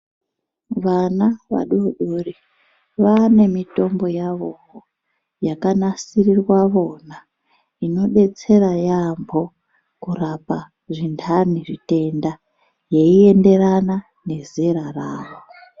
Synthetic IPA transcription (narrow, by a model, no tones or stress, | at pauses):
ʋanaʋa̰ɗuɗuri | ʋane̞mito̞mbo̞jaʋo̞ɦo | jakanasirirwaʋo̞na | ino̞ɗe̞t͡se̞ɾajambʱo̞ | kurapa | ʐintʰaniʐite̞nda | je̞ie̞nde̞rana | ne̞zeɾaraːʋo